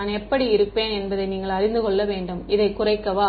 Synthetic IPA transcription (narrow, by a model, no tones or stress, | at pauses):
nɛpːɐɽiɪɾɯpːeːnɛnbɐðɐɪniːŋɡɐɭɐɾɪnd̪ɯkɔɭːɐʋeːɳɖɯmɪðɐɪkːʊrɐɪkːɐʋaː